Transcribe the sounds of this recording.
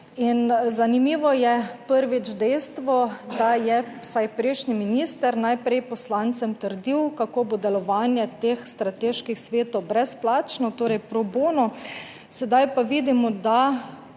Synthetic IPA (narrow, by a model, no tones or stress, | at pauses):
inzanimiːʋɔjɛpəɾʋit͡ʃd̪ɛjst̪ʋɔd̪ajɛsajpɾeːʃniminiːst̪əɾnajpɾɛjpɔslaːnt̪sɛmt̪əɾd̪iwkakoːbod̪ɛlɔʋaːnjɛt̪eːxst̪ɾat̪eːʃkixsʋeːt̪obɾɛsplaːt͡ʃnɔt̪oːɾɛjpɾɔboːnɔ | sɛd̪ajpaʋiːd̪imɔd̪a